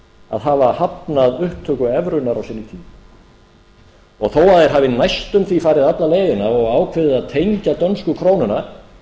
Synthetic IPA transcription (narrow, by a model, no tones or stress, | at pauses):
a̰ðɦaːvahapnaðʏhpt̪ʰːœːkʏɛvɾʏnaɾawsɪnːit̪ʰiːm | ɔɣθowaðɛɾ̥ɦaːvɪnajst̪ʏmθifaːɾɪðat̪laleːjʏnaɔɣaːwkʰvɪðɪðaðt̪ʰejɲcat̪œnskʏkʰɾownʏnḁ